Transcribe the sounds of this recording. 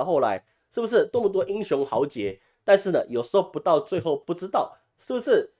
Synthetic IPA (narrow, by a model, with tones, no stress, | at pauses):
xo˥˩ʊla̰˧˦ɪ | ʂɻ̩˥˩bu˩ʂ̬ɻ̩˥˩t̪wɔ˥˩mə˩t̪̬wɔ˥ʔi˦˥ŋɕjʊ˧˥ŋxɑ˧˥ʊt͡ɕjɛ˧˥˦ | t̪a˥˧nʂɻ̩˥˩nə˩jo˨˩ʊʂɻ̩˧˥xo˥˩ʊpu˧˥t̪ɑ˥˧ʊt͡swe˥˧ɪxo˥˧ʊpu˥˩ʈ͡ʂɻ̩˥t̪ɑ˥˩ʊ | ʂɻ̩˥˩bu˩ʂɻ̩˥˩